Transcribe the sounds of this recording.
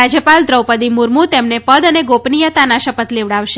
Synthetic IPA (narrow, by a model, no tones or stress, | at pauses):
ad͡ʒjəpald̪ɾəwpəd̪imuɾmũt̪emnepəd̪əneɡopnijət̪anaʃəpət̪leʋɽaʋʃe